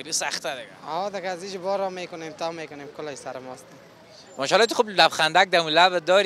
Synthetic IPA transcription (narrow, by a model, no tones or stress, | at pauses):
lisaχt̪ad̪ɪɡa̰ɔd̪ɪɡazid͡ʒbɔɾɔmekʊnemt̪ʰɔːmekʊneːmkʊlɔjsaɾɪmɔst̪a | mɔʃɔlːet̪uxublabxand̪ak̚d̪amulabd̪ɔːɾ